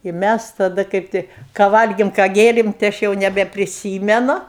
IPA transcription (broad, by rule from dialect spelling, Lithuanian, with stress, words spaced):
ɪ ˈmʲæs tɐˈdɐ ˈkɐɪp tɐɪ kɑː ˈʋɐlʲɡʲeːm kɑː ˈɡʲeːrʲeːm tɐɪ ˈɐʃ jɛʊ nʲɛbʲɛpʲrʲɪˈsʲiːmʲɛnʊ